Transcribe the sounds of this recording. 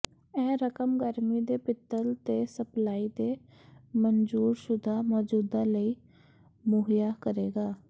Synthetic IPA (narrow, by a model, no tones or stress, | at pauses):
ɛ̃ːɾəkəmɡəɾmiːd̪eːpɪt̪ːəlt̪eːsəplaːiːd̪eː | mənd͡ʒuːɾʃʊd̪ʱaːmɔːd͡ʒuːd̪aːləiː | moːɦjaːkəɾeːɡaː